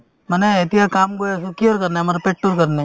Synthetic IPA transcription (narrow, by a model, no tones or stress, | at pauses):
məneet̪iɦakaːmɡojesekioːɾkɐɾnemaːɾapeːʈːoɾkəɾne